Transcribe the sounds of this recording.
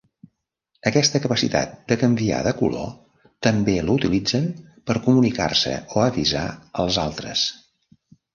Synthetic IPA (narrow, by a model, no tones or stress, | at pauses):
əkɛst̪əkəpəsḭt̪a̰t̪̚d̪̥əkəmbia̰ðəkulo̰ | t̪əmbeləut̪ilid͡zənpəɾkumunika̰rsə̰oəβiza̰əlˠzalˠt̪ɾə̰s